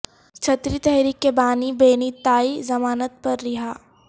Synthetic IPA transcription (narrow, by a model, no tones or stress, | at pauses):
t͡ʃʰɐt̪ɾit̪ɛɦɾiːkːebaːnibeːnit̪aːizɐmaːnət̪̚pɐɾːɪɦaː